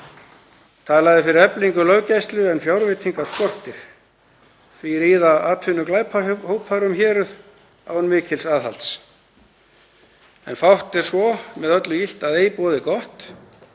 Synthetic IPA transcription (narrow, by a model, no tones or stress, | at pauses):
t̪ʰaːlaɣðɪfɪɾɪɾɛpliŋkʏlœːwcajst̪lʏɛnfjawɾvɪt̪ʰiŋkḁskɔr̥t̪ɪɾ̥ | θviɾiːðaaːt̪ʰfʏnːʏklaːjpʰahoːwpʰaɾʏmçɛːɾʏð | a̰wnmɪːcʰɪlsaːðɦa̰lt̪s | ɛnfawht̪ɛɾ̥svɔmɛðœt̪lʏjil̥t̪aðeːjpɔːðɪkɔht̪